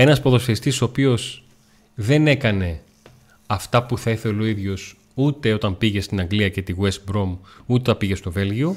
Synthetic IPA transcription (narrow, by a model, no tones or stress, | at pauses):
e̞nɐspo̞ðo̞sfest̪iso̞pio̞s | ðe̞ne̞kɐne̞ | ɐft̪ɐpuθɐiθeloiðʝo̞s | ut̪e̞o̞t̪ɐmpiʝe̞st̪inɐŋɡliɐce̞t̪iɣwest̪bɾo̞mut̪eɐpiʝe̞st̪o̞ve̞lʝio